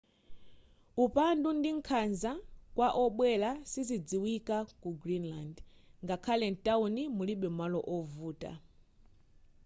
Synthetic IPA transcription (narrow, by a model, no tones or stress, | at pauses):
upandundiŋ̩kʰanzakwaʔɔɓwɛlasizid͡ziwikakuɡɾinlandŋɡakʰalɛntʼaunimuliɓɛmwalɔʔɔvuːtʼa̰